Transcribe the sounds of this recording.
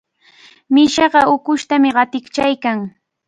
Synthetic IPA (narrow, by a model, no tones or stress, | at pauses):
mɪʃɑɢɑʊkʊʃt̪amɪɢɑt̪ɪkt͡ʃajkaŋ